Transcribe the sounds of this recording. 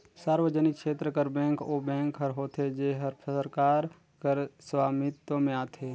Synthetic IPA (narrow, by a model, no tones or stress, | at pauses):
saːɾʋəd͡ʒənɪkʃeːt̪ɾəkəɾbɛ̃ːŋkoːbɛ̃ːŋkɦəɾɦoːt̪ʰed͡ʒeːɦəɾpʰəəɾkaːɾ | kəɾswaːmɪt̪omẽaːt̪ʰeː